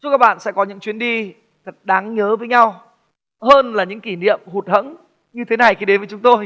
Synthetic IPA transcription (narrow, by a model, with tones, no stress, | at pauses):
t͡ɕu˦˥kaː˦˥k̚ɓa̰ː˧˨nsɛ̰˧˥kɔ˨˦ɲɨ̰˧˥ŋt͡ɕwi˨˦ənɗi˧ | t̪ʰə˨˩t̚ɗaː˨˦ŋɲəː˨˦vəː˨˦jɲa˧w | həː˧nlaː˨˩ɲɨ̰˧˥ŋki˧˩nḭ˧˨əmhu˨˩t̚hə̰˧˥ŋ | ɲɨ˧t̪ʰe˨˦na˨˩jxi˧ɗe˨˦nvəː˨˦jt͡ɕʊ˨˦ŋ͡mt̪o˧j